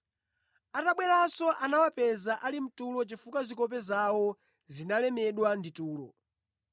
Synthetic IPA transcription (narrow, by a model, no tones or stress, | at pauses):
ataɓwɛɾasɔʔanawapɛzaʔalim̩tulɔt͡ʃifukazikɔp̬ɛzawɔ | zinalɛmɛɗwandituːlɔ̰